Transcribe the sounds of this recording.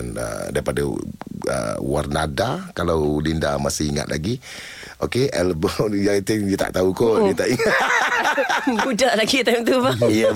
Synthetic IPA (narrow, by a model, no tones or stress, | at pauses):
nə̰daɾipadaə̰wa̰rnadakalawlindamasɪhiŋa̰t̪̚lʔa̰ɡi | ʔokeʔɛlbɔjat̪ɪŋdiat̪a̰ʔt̪aukɔʔdat̪aʔi | budaʔlaɡit̪amt̪ubaij